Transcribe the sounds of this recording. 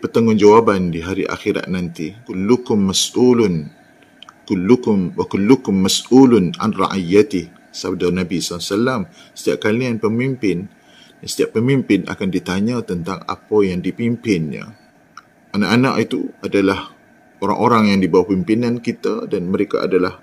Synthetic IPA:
pət̪aŋʊnd͡ʒawabandiɦaɾiʔa̰xiɾa̰ʔ̪̚nãnt̪ikʊlːukʊmːasʔulʊn | kulːukʊmwakulːukʊmːasʔulʊna̰nra̰ʔijat̪ɪh | sab̚danabisalasalamsə̥t̪iap̚kalianpəmimpɪn | dansə̥t̪iaʔpːəmimpɪna̰kandit̪aɲət̪ənt̪aŋa̰pəjaŋdipimpɪnɲa̰ | ʔanaʔana̰ʔit̪uadalah | oɾa̰ŋʔoɾaŋjaŋdibawahpimpinankit̪adanməɾeka̰ʔa̰dalah

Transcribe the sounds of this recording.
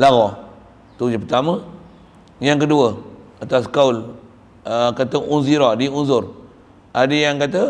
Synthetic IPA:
laɣɔ | t̪ud͡ʒapət̪amə | jaŋkəduəat̪askaul | kat̪əʔunziɾɔadəunsʊr | adəjaŋkat̪ə

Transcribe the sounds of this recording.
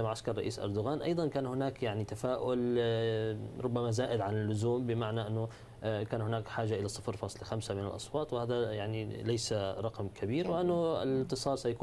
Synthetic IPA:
amaʕaskɑɾˤːɑʔiːsʔɑ̰ɾˤd̪ʊɣaːnʔɑ̰jd̪ˤɑnkaːnhɪnaːkjaʕnit̪afaːʔʊl | ɾˤʊbːamazaːʔɪd̪ʕanɪlːʊzuːmbɪmaʕnaʔɪnːʊ | kaːnhɪnaːkħaːʒːaʔɪlasˤːɨfɾfɑːsˤlxamsamɪnɪ̰lʔɑ̰sˤwɑːt̪ˤwɪhaːd̪ajaʕnilajsaɾˤɑqmkʰabiːɾwɪʔanːʊɪ̰lt̪ːɨsˤɑːlsajakuː

